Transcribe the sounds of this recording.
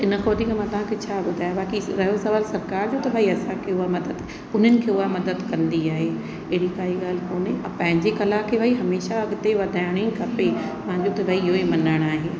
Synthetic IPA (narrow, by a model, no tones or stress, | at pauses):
ɪnə̆xoːd̪ikɐmãt̪ɐʋ̤ãːkʰet͡ɕʰaːbʊd̪ʱaːjabaːkiɾɐɦjosɐʋaːlsɐɾkaːɾd͡ʑoːt̪ɐbʱaːiɐsãkʰeʊɦamɐd̪əd̪ | ʊn̤ənɪ̆kʰeʊamɐd̪əd̪kɐ̃nd̪iaːɦe | ɐɦɪɽikaːiɡaːlkoːneɐpɐ̃ɦɪ̃ɲd͡ʑekɐlakʰebʱaiɦɐmeːʃaɐɡt̪eʋɐd̪ʱaːɪɽ̃ekɐpemɐãɲd͡ʑoːt̪ɐbʱaːiɪɦoemɐnəɽ̃aːɦeː